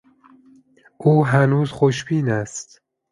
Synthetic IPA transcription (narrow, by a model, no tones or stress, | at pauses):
uːɦænuːzxoʃbiːnɛst̪